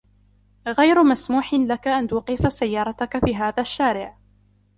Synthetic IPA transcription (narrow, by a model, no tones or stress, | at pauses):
ɣajɾʊmasmuːħɪnlakaʔant̪uːqifasajːɑːɾˤɑt̪akafiːɦaːðaʃːaːɾɪʕ